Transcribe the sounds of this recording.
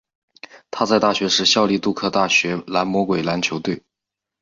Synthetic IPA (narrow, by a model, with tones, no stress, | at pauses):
t̪ʰa˥t͡sa˥˧ɪt̪a˥˩ɕɥɛ˧˥ʂɻ̩˥˧ɕjɑ˥˧ʊli˥˧t̪u˥˧kʰɤ˥˧t̪a˥˩ɕɥɛ˧˥la˧˥nmwɔ˧˥kwe˨˩ɪla˧˥nt͡ɕʰjo˧˥ʊt̪we˥˩ɪ